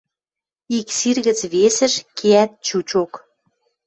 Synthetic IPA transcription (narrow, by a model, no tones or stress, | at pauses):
iksirɣə̆t͡sβesə̆ʃkʰeæt̪̚t͡ɕut͡ɕok